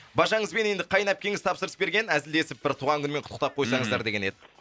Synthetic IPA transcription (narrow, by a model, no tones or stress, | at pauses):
bɑʒɑɴəzbe̞ne̞nd̪ɪqʰɑjənɑp̚kʲʰe̞ŋɪzt̪ʰɑpsəɾəsbe̞ɾɡʲe̞næzɪld̪e̞sɪp̚bɪɾt̪ʰuʁɑŋkʲʰʏnme̞ɴʰqʰʊt̪ːəq̚t̪ɑp̚qʰo̞jsɑɴəzd̪ɑɾd̪e̞ɡʲe̞ne̞d̪ɪ